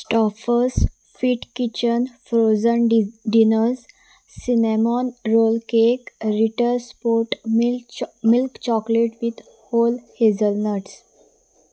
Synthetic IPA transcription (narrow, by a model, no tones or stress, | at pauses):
sʈɔfəɾs | fiːʈkit͡ɕənfɾozənɖinəɾzː | inemɔnɾolkekɾiʈəɾspoʈ | milkt͡ɕɔkleʈʋid̪ | hoːlhezəlnəʈs